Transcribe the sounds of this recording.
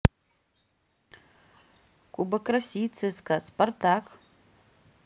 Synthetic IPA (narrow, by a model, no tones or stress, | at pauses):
kʷʼubakʼrasʲijt͡sʰɨzkʼasportʰakʼ